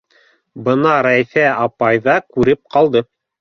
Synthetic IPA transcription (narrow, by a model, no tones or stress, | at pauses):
bɤnɑɾæθæɑpɑjðɑkʉɾɘp̚qɑlˠd̪ɤ